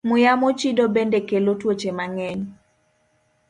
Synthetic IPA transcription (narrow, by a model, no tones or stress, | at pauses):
mʊjamot͡ʃidobendekelotwot͡ʃemaŋɛɲ